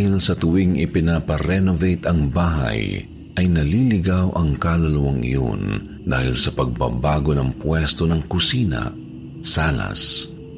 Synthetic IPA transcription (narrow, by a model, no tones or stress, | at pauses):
ahɪlsɐt̪ʊwɪŋʔɪpɪnapɐɾɛnovejt̪ɐŋbaːɦɐ̰j | ʔɐjnɐlilɪɡawʔɐŋkalɐlɐwɐŋʔɪ̰jo̰n | d̪aːhɪlsɐpɐɡ̚bɐ̰baːɡo̞nɐŋpwɛst̪o̞nɐŋkʊsiːnɐ̰ | saːlɐ̰s